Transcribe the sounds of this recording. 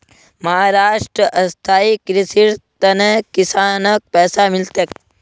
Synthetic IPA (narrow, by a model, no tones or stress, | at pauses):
mɐɦaːɾaːʂʈɾəʔɐst̪ʰaːikɾisiɾt̪ɐnekisaːnək̚pɛːsamilt̪ek̚